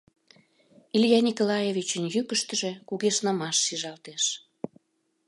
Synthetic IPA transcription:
iljɑnʲikolɑjevit͡ɕənjykəʃt̪ə̆ʒĕkuɣeʃnɑmɑʃːiʒɑlt̪eʃ

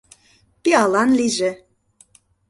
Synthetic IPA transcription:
piɑlˠɑnliʒĕ

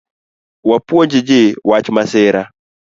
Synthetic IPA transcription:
wapwɔɲd͡ʒid͡ʒewat͡ʃimasɛːɾa

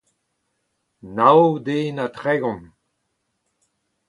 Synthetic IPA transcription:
nawd̪eːnatʁɛɡɔ̃n

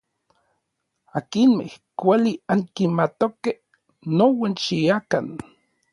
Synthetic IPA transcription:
akinmḛhkʷaliaŋkinmat̪okeh | nːowant͡ʃiakan

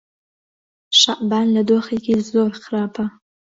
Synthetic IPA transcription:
ʂaʔbanladoχiɡʲizorχrapʰa

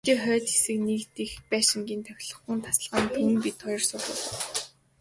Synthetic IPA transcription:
t͡ɕiːχœːt͡ɕxe̥sɘ̆knikt̪ixpæːʃɪ̆ŋɡʲiːnt̪ʰœw̆ʲɮɞ̆χŭːnt̪ʰḁs̆ɮʁaːnt̪ʰum̆mpit̪ʰχɔjɞ̆rsʊrʊ̰ːɮ̆

